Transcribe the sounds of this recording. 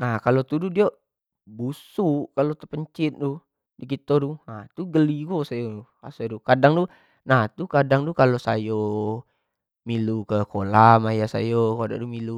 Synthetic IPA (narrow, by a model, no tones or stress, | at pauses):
nahkalot̪ududioʔ | busuʔkalot̪əpəɲt͡ʃɪt̪̚du | dikit̪odunat̪uɡəliɡosajouka̰sedukadaŋdu | naht̪ukadaŋdukalosa̰jo | milukəkolamajasa̰jokoda̰ʔdumilu